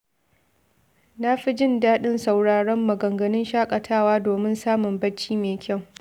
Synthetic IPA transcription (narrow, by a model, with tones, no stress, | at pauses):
na˦ɸi˦d͡ʒɪ˦ndaː˦ɗɪ˦nsa˨wɽaː˨ɽɐ˦mːɐ˨ɡɐ˨ŋɡɐ˨nɪ˦nʃaː˦kʼɐ˨tʰaː˦waː˦doː˨mɪ˦nsaː˦mʊ˨mbɐ˦t͡ʃːiː˦meː˨kʲʰa˦˨w